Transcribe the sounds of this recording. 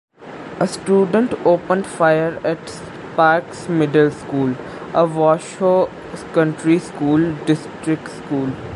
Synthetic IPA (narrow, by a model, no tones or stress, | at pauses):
əsʈjuːɖə̃ɳʈoːpə̃nɖfajəɾɛʈs | paːɾksmɪɖəlskuːl | əʋɔːʃo | kə̃ɳʈɾiskuːlɖɪsʈɾɪkʈskuːl